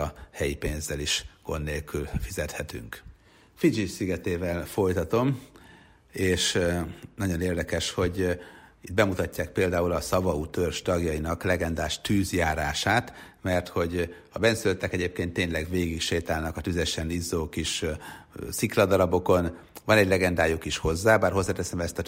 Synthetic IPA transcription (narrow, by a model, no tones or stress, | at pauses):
hɛjipeːnzːɛliʃɡ̥o̞̰nːeːlkylfizɛt̪hɛt̪y̰ŋk | fid͡ʒisiɡɛt̪eːvɛlfo̞jt̪ɒt̪o̞m | eːʃnɒɟo̞neːrd̪ɛkɛʃho̞ɟit̪̚bɛmut̪ɒcːaːk̚peːld̪aːulɒsɒvɒut̪ørʃt̪ɒɡjɒjinɒklɛɡɛnd̪aːʃt̪yːzjaːɾaːʃaːt̪ | mɛrt̪ho̞ɟ | ɒbɛnsyløt̪ːɛkɛɟeːp̚keːnt̪ːeːɲlɛɡveːɡikʃeːt̪aːlnɒkɒt̪yzɛʃɛnizːoːkiʃ | siklɒd̪ɒɾɒbo̞ko̞n | vɒnɛɟlɛɡɛnd̪aːjukiʃho̞zːaːbaːrɦo̞zːaːt̪ɛsɛmɛst̪ɒ